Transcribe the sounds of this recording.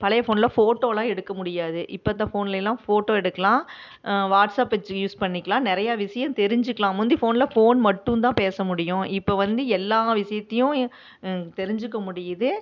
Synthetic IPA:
pɐlɐjɐfoːnlɐfoːʈːoːlãːɛɽɯkːɐmʊɽɪjaːðɯʔɪpːɐːt̪̬ːɐ̃foːnlɛlːãːfoːʈːoːɛɽɯkːɐlãː | ʋaːʈsaːpʋɛt͡ʃːɯjuːspɐɳːɪkːɐlãːnɪɾɐjaːʋɪsɐjɐ̃mt̪ɛɾɪɲd͡ʒɯkːɐlãːmʊnd̪ɯfoːnɪlɐfoːnmɐʈːɯ̃nt̪ãːpeːsɐmʊɽɪjʊ̃ɪpːoːʋɐnd̪ɯɛlːaːʋɪsɐjɐt̪ːɐjʊ̃ | t̪ɛɾɪɲd͡ʒɯkːɐmʊɽɪjɐðɯ

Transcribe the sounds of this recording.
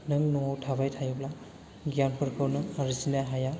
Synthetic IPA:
nɯŋnɔŋawtʰaβajtʰajbla | ɡjanpʰɯɾkʰɯwnɯaɾisinajɦaja

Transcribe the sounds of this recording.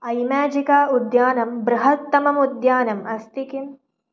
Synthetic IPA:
ɐjmaːd͡ʒikaːud̪jaːnɐmbɾɐɦɐt̪ːɐmɐmud̪jaːnɐmɐst̪ikim

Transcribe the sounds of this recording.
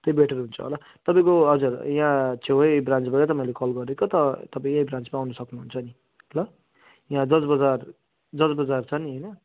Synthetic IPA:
t̪ʌjbeʈʰʌɾɦunt͡sʰʌ̰ɦo̰la | t̪ʌpaĩkoɦʌd͡zurjãt͡sʰeʌbrãnt͡sbʌɾʌt̪ʌpaĩlekʌlɡʌɾekot̪ʌt̪ʌpaĩejbrãnt͡smaːwnʌsʌknuɦunt͡sʰʌni | ʌlʌ | jãd̪ʌsbʌd͡zar | d͡zʌsbʌd͡zart͡sʰʌniɦʌjnʌ

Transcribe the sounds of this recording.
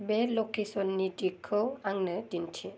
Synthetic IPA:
bɛlokesɔnːidikʰːɯwaŋnɯdintʰɛ

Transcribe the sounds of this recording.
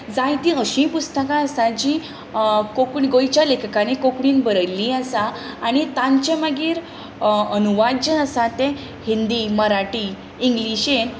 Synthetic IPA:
d͡zãjt̪ĩəɕĩpust̪əkãəsãd͡ʑĩ | kokɳiɡojt͡ɕalekʰkanikokɳiːnbəɾəlːĩəsaːñit̪ãɲt͡ɕẽməɡiːɾ | ənuʋadd͡ʑəəsãt̪ẽ | hind̪iməɾaʈi | iŋɡliɕen

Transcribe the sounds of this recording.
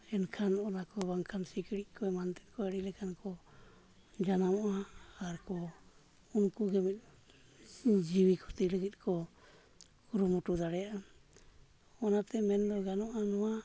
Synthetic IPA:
ɛnkʰanɔnakɔbaŋkʰansikiɽiʔ̚kʰɔɛmant̪ɛ̥t̪̚kɔɛɽilɛkʰankɔ | d͡ʒanamɔʔaːɾkɔ | unkuɡɛmɛt̪̚ | d͡ʒiwikʰɔ̥t̪iɾəɡit̪̚ˀkɔ | kuɾumɔʈud̪aɽɛjaʔ | ɔnat̪ɛmɛnd̪ɔɡanɔʔanɔwa

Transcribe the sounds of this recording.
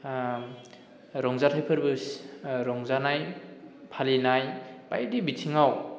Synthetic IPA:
ɾɔŋzatʰajpʰɯɾbɯsɾɔŋzanajpʰalinajba̰jdibitʰiŋaw

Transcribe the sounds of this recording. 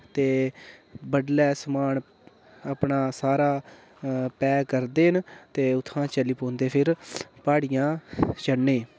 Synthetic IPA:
t̪eː | bəɖlɛːsəmaːn | aːpɳaːsaːɾaː | pɛːkəɾd̪eːɦənt̪eːʊt̪ʰːãːt͡ʃəliːpõːnd̪eːpʰɪɾpaːɽɪjãːt͡ʃəɳːẽː

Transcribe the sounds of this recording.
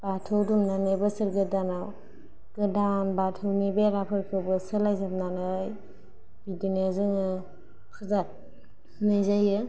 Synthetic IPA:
b̥atʰɯwdumnanajbɯsɯɾɡɯdanaw | ɡ̥ɯdanbatʰɯwnibeɾapʰɯɾkʰɯbɯsɯlajzap̚nanɯj | bidinezɯŋɯ | pʰɯzat̚ | najzajɯ

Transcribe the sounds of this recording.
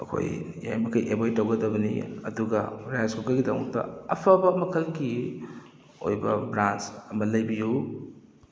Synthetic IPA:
ɐkʰo̰j | ja̰jmɐkʰɐjʔebojtɐwɡɐdɐbɐnḭɐ̰duɡɐɾajaskukɐlɡidɐwmɐ̰ktɐ̰ɐpʰɐbɐmɐkʰɐlɡi | o̰jbɐ̰bɾant͡ʃɐmɐlɐjbiju

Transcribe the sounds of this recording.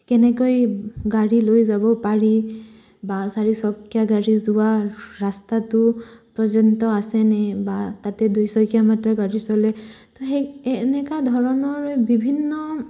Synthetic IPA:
kɛnɛkojɡaɹilojzabɔpaɹi | basaɹisɔkjaɡaɹizʊwaɹastatʊpɹɔzɔntɔasɛnɛbatatɛdujsɔjkijamatɹaɡaɹisɔlɛ | tɔɦenɛkadʱɔɹɔnɔɹbibʱinːɔ

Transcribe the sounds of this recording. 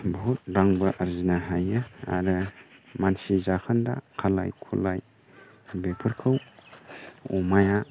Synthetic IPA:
but̚baŋbɯʔaɾzinaɦajɯa̰ɾɯmansizakʰanda̰kʰala̰jkʰṵlaj | bepʰɯɾkʰɯw | ṵmaja

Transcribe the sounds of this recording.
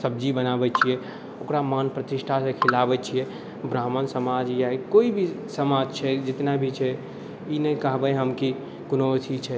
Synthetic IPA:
səbd͡ʒibənabɛt͡ʃʰiɛ | okɾamanpɾət̪iʃʈʰasẽkʰilabɛt͡ʃʰiɛ | bɾaːmənsəmad͡ʒjaikoibʱi | səmad͡ʒt͡ʃʰɛd͡ʒɪt̪nabʱit͡ʃʰɛ | inəĩkəɦbəjɦəmki | kunot̪ʰit͡ʃʰɛ

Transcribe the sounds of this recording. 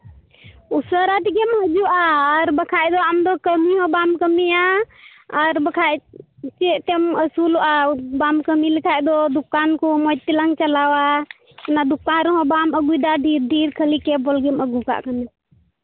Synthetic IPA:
usəɾat̪ikemɦəd͡ʒuaəɾbəkʰajd̪ɔamd̪ɔkəmiɦɔ̃bamkəmija | əɾbəkʰajt͡ʃet̪eməsuluʔabamkəmilikʰajd̪ɔd̪ukːankumɔd͡ʒt̪iləŋɡt͡ʃəlawa | nad̪ukːaɾɦɔ̃baməɡujd̪aɖʱiɾɖʱiɾkʰəlikebolɡeməɡuka̰ʔkəmi

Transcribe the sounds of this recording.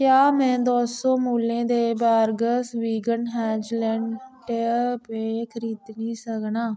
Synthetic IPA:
kjaːmɛ̃ːd̪oːsõːmuːlẽːd̪eːbaːɾɡəsʋiːɡənɦɛːd͡ʒlɛ̃ːɳʈpeːkʰəɾiːd̪niːsəknaː

